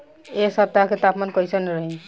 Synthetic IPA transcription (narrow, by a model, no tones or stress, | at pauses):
esəp̚t̪aket̪apmankɔjsənɾəɦin